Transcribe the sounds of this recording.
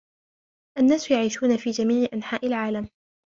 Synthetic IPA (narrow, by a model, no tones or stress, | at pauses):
ʔanːaːsjaʕiːʃuːnafiːd͡ʒamiːʕɪʔanħaːʔɪlʕaːlam